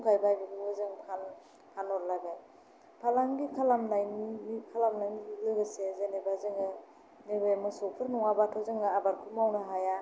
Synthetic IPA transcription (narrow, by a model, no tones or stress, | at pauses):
kʰajbajbɯɡɯbɯzɯŋkʰan | kʰanɔɾlajbaj | pʰalaŋɡikʰalamnajnikʰalamnajniɡlɯɡɯsezenebazɯŋɯ | nebamɯsɔpʰɯɾnɔŋabatʰɔzɯŋɯabaɾkʰumawnaɦaja